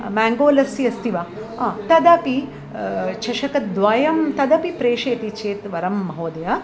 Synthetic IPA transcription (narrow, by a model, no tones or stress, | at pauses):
maːŋɡoːlɐsiɐst̪iʋaːɐːt̪ɐd̪ɐpi | t͡ʃʰɐʃɐkɐd̪ʋaːjɐmt̪ɐd̪ɐpipɾeːʃeːt̪it͡ʃʰeːt̪ʋɐɾɐmːɐɦoːd̪ɐjɐ